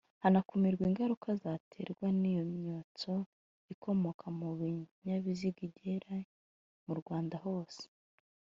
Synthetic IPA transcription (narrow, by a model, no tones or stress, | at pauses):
hanakumiɾɡwiːŋɡaɾukʰazatʰe̞̰ɾɡwanijo̞mɲoːt͡so̞ | ikʰo̞mo̞kʰamuβiɲaβiziɡiɟeɾa | muɾɡwaːndaɦo̞ːse̥